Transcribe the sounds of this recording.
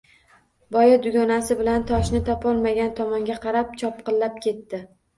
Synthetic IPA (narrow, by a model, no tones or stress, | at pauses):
bɒjad̪ʊɡʲɒnasɪbɪlant̪ʰɒʃnɪt̪ʰɒpɒlˠmaɡʲant̪ʰɒmɒŋɡʲaqʰɑɾap̚t͡ʃʰɒp̚qɨlːap̚kʲʰe̞t̪ːɪ